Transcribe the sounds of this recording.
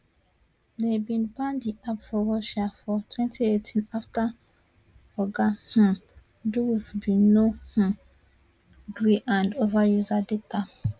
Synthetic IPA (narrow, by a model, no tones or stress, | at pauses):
debĩnbãndiapfɔɹɔʃafɔtʰwɛ̃ntietʰĩnafta | fɔɡahã | duwifbĩnoh̩ | ɡɹiʔãndovajuzadeta